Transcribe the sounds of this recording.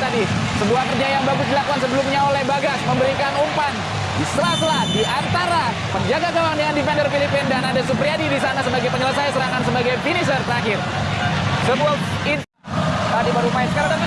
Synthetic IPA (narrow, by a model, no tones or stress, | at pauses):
t̪adisəbuahkərd͡ʒajaŋbaɡʊsdilakuansəbəlumɲaolɛhbaɡasməmbəɾikanumpan | dist̪əlasəladiʔant̪aɾa | pərd͡ʒaɡaɡawaŋdəŋandifɛndərfilipɪndanadasupɾiadidisanasəbaɡajpəɲələsajsəɾaŋansəbaɡajfinis̬ərt̪əɾaɦɪr | səbua | i | t̪adibaɾumaisə̥kaɾa